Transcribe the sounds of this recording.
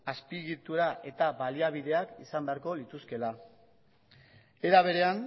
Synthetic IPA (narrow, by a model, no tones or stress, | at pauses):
aspiɣit̪uɾaʔe̞t̪abaliaβ̞iðe̞akisambe̞aɾko̞lit̪uske̞la | e̞ɾaβ̞e̞ɾe̞an